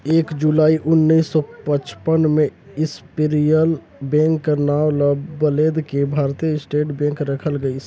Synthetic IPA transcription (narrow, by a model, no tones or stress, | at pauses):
eːkd͡ʒulaːiʔʊnːiːsːɔpət͡ʃpənmẽ | ɪspɪɾijəl | bɛ̃ːŋkːənaːʋlɔbːəleːd̪kebʱaːɾt̪ijəɪsʈeːʈbɛ̃ːŋkɾɐkʰəlɡəi